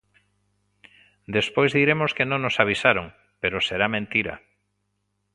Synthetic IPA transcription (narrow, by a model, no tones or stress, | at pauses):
d̪espojzðiɾemoskenõŋnosaβ̞isaɾoŋ | peɾoseɾamẽnt̪iɾɐ̰